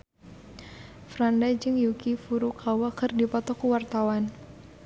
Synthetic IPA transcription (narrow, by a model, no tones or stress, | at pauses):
fɾandad͡ʒɨŋjukifuɾukʰawakərdipɔt̪ɔkuwart̪awan